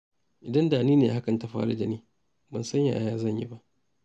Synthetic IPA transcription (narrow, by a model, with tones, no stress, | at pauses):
ʔɪ˨dɐ˦ndaː˨niː˦neː˨ha˦kɐ˨nta˨ɸa̰ː˦ɽa̰˦d͡ʒɐ˦niː˦ | bɐ˨nsɐ˦ɲja̰˨ʔa˨jaː˦zɐ˦˨ɲjḭ˦ba˦ʔ